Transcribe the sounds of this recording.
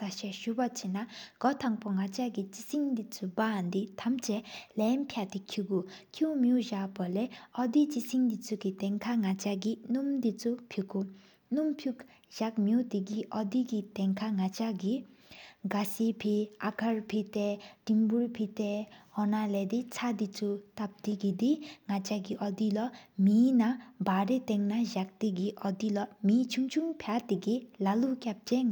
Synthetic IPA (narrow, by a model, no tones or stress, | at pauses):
saɕaɕupat͡ɕinaɡ̥ɔt̪ʰaŋpoŋat͡ɕaɡit͡ɕisiŋd̪it͡sʰuband̪it̪ʰamt͡ɕɛlɛnpʰjat̪ikʰuɡukʰumiuʑaʔpalɛɔd̪it͡ɕisʰiŋd̪it͡sʰuɡit̪ɛŋkʰaŋat͡ɕaɡinumd̪it͡sʰupʰiku | numpʰjuk | ʑak̚miut̪iɡiʔɔd̪iɡit̪ɛŋkʰaŋat͡ɕaɡiɡasipʰiʔakʰaɹpʰit̪ɛʈimbuɹpʰit̪ɛhɔnalɛd̪it͡sʰad̪it͡sʰut̪ap̚d̪iɡid̪iŋat͡ʃaɡiʔɔd̪ilɔminabaɾet̪ɛŋnaʑak̚t̪iɡiʔɔd̪ilɔmit͡ʃʰuŋt͡ʃʰuŋpʰjat̪iɡilalukʲap̚t͡ɕɛŋ